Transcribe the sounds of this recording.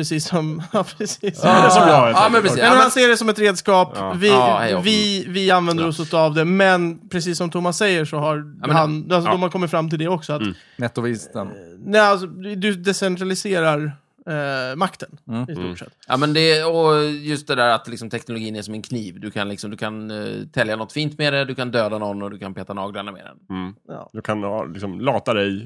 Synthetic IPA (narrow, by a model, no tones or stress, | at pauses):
pɾɛsiːsːɔmːpʰɾɛsiːs | ɑmɛnpʰɾɛɛmmnhanseːɖɛsɔmɛt̪ɾeːd̪skɑːpvɪhɛ̰jvɪvɪanvɛnd̪əɾɔsɔsavd̪ɛmɛnpʰɾɛs̬iːsːɔmt̪ʰʊmːasːɛjːəʂɔɦaɾmhanalsɔd̪ɔmhaɾkʰɔmːɪt̪fɾamːt̪ʰɪld̪ɛɔksɔat̪ | nɛt̪ːɔvist̪ənnɛalsɔd̪ɵd̪ɛsɛnt̪ʰɾalɪseːɾaɾ | makt̪ənɪst̪ṵʂɛ̰t̪ːjɑ̰ːmɛnd̪ɛɔjɵst̪̚d̪ɛd̪æːɾat̪lɪksɔmt̪ʰɛknʊlʊɡiːnɛsɔmɛnkʰniːvd̪ɵkʰanlɪksɔmd̪ɵkʰant̪ʰɛljanɔt̪ːfiːnt̪med̪ɛd̪ɵkand̪øːd̪anɔnːɔd̪ɵkʰanpʰeːt̪anɑːɡlaɳamḛd̪ɛ̰nɑ̰ːd̪ɵkʰan̰lɪ̰ksɔmlɑːt̪ad̪ɛj